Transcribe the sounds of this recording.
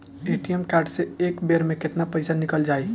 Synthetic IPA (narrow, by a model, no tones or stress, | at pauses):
eʈijemkaɾɖseekbeɾmẽket̪napəɪsanikəld͡ʒaːi